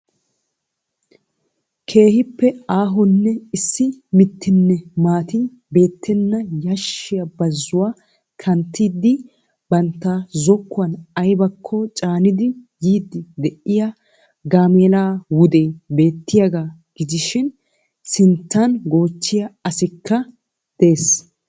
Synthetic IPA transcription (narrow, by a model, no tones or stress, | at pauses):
kʰe̞ːhɪpːɛaːɦɔnːɛɪsːɪmɪt̪ʰːɪnːɛmaːt̪ɪn | be̞ːt̪ʰːɛnːɐjɐʃːɪjɐbɐzːʊwaː | kʰɐnt̪ːiːd̪ːɪ | b̥ɐnt̪ːaːzɔkːʊɐnɐjbɐkʰːɔt͡ʃʼaːnɪd̪ɪjiːd̪ːɪd̪ɛʔɪja | ɡaːmeːlaːwʊd̪e̞ːbe̞ːt̪ːɪjaɡaːɡ̥ɪd͡ʒɪʃɪn | sɪnt̪ːɐnɡo̞ːt͡ʃːɪjɐɐsɪkːɐ | d̪̥e̞ːs